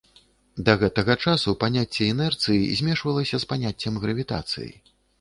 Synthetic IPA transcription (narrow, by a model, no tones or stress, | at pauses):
d̪ɐɣɛt̪ɐɣɐt͡ʂasupanʲat͡sʲːɛɛnɛrt̪sɨjḭzʲmʲɛʂvɐlˠɐsʲɐspanʲat͡sʲːɐmɣɾɐvʲit̪a̰t̪sɨ̰jḭ